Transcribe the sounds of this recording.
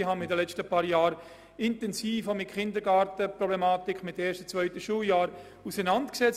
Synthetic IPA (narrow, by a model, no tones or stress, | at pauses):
iɦanɪdəlɛt͡stəpaːɾjaːɾ | ɪntɛnsiːfomɪtχɪndəɾɡaːɾtəprɔblɛmaːtɪkʰmɪtɛːʃtə̥t͡svœʏtəʃuːljaːɾ | usənantksɛt͡s